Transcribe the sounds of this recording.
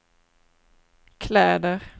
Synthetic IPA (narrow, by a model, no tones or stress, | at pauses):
kʰlɛːd̪əɾ